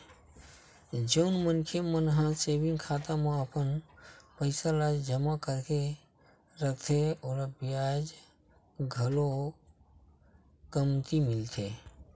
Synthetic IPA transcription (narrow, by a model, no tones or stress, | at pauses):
d͡ʒəʊnmənkʰemənɦãsebinkʰat̪amẽəpənpəɪsalad͡ʒd͡ʒəmakəɾke | ɾət̪ʰeoːɾabiad͡ʒ | ɡʱəlo | kəmt̪imɪlt̪ʰe